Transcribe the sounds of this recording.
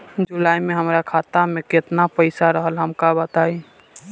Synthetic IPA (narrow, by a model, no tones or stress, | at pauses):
d͡ʒulaːjmẽɦəmɾakʰaːt̪amẽket̪napəɪsaɾəɦəlɦəmkabət̪aːi